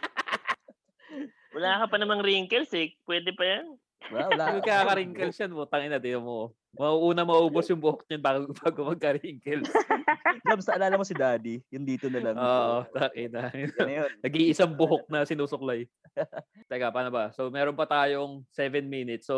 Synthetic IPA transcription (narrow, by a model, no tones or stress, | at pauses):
wɐlaːkɐpɐnɐmɐŋɾiːŋkɛlsɪpwɛːd̪ɛpɐjɐn | wlawɐlamɐɡkːɐakɐɾiŋkɛlʃɐnmot̪ɐŋɪnɐd̪ɪnomo | mɐʔuʔuːnɐmɐʔuːbosjʊŋbʊhok̚ɲɐnbaːɡbaːɡomɐɡ̚kɐɾiŋkɛl | sɐmsɐʔɐlaːlɐmosɪd̪aːd̪ijʊnd̪iːt̪onɐlɐŋʔoːʔt̪ɐʔɪnɐjonnɐɡiʔɪsaŋbʊɦok̚nɐsɪnuːsʊk̚laj | t̪ɐlɐɡapaːnobɐsomɛːɾonpɐt̪aːjo̞ŋsɛvɛnminɪt̪so